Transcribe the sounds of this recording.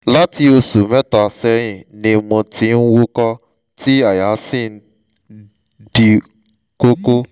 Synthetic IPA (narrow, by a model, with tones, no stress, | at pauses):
la˦ti˧o˧su˨mɛ˦tɔ˨a˨sɛ˧j̃ĩ˨nĩ˧mɔ̃˧ti˧˦n̩˦wo˦kɔ˦ | ti˦a˦˨ja˨˦si˦˨n̩˦ | di˧ | ko˦ko˦